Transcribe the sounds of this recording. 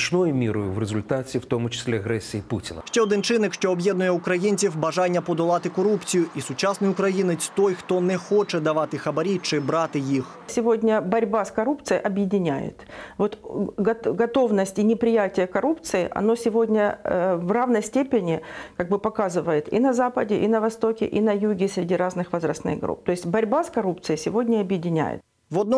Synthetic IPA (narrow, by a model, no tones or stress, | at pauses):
t͡ʃnɔjʊmʲiɾʊjʊ̰ʋrezʊlʲt̪at͡sʲiwt̪ɔmʊt͡ʃɪ̥sʲlʲɛɐɣɾɛsʲijiputʲɪnɐ̰ʃt͡ʃɛɔd̪ɪnt͡ʃɪnːɪkʃt͡ʃɔːbjɛd̪nʊjɛʊkɾɐjinʲt͡sʲiwbɐʐanʲːɐpɔd̪ɔlˠat̪ɪkɔɾupt͡sʲɪjʊʔisʊt͡ʃasnɐjʊkɾɐjinɪt͡sʲt̪ojxt̪ɔnɛxɔt͡ʃɛd̪ɐʋat̪ɪxɐbɐɾʲit͡ʃɪbɾat̪ɪjix | sʲɪvo̞dʲnʲəbɐɾʲbaskɐɾupt̪sɨjʔɐbjɪdʲɪnʲæ̰jɪ̰t̪vo̞t̪ɡɐɡɐt̪o̞vnəsʲtʲɪnʲɪpɾʲɪjætʲɪjəkɐɾupt̪sɨɪʔɐ̰nosʲɪvo̞dʲnʲəvravnəjsʲtʲepʲɪnʲɪkaɡ̚bɨpɐkazɨvəjɪt̪ɪ̰nɐzapədʲɪʔɪnəvɐst̪o̞kʲɪ̰ʔinɐjuɡʲɪsʲɾʲɪdʲiɾaznɨxvɐzɾɐsnɨ̰ɣɡɾṵp̚t̪oɪsʲtʲbɐɾʲbaskɐɾup̚t̪sɨjɪsʲɪvo̞dʲnʲəɐbjɪdʲɪnʲæ̰jɪ̰t̪̚ | vɐd̪n